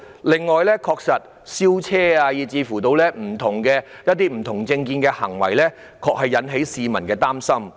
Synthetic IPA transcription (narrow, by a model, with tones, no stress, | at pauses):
lɪ˨ŋːɔː˨jlɛː˥kʰɔː˧k̚sɐ˨t̚ | siː˥wt͡sʰɛː˥aː˧jiː˨˩t͡siː˧fuː˨˩t̪o˧wlɛː˥m̩˨˩t̪ʰʊ˨˩ŋkɛː˧jɐ˥t̚t̪iː˥m̩˨˩t̪ʰʊ˨˩ŋt͡sɪ˧ŋkiː˧nkɛː˧hɐ̰˨˩ŋwɐ̰˨˩jlɛː˥ | kʰɔː˧k̚hɐ˨jːɐ˨˥nɦe˨˥jsiː˨mɐ˨˩nkɛː˧t̪aː˥msɐ˥m